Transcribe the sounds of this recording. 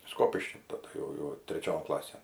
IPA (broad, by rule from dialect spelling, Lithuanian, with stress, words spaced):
ˈskoːpʲɪʃʲkʲiː tɐˈdɐ jɛʊ jɛʊ tʲrʲɛˈt͡ʃʲoːn ˈklˠɑːsʲeːn